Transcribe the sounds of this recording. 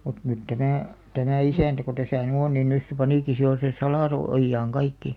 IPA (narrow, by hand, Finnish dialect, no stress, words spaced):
mut nyt tæmæˑ tæmæˑ isæˑntæ ko tæsæˑ ny on nin nys se pɑniˑki si jo se sɑlɑˑso ojːɑːŋ kɑikːi